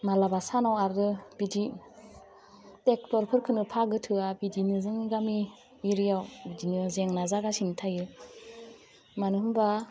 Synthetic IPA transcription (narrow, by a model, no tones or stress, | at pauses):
malabasanawaɾdɯb̥idi | tek̚tɔɾpʰɯɾkʰɯnɯpʰaɡɯtʰɯabidinɯzɯŋɡami | iɾijawbidinɯzeŋnazaɡasinitʰajɯ | manɯɦɯmba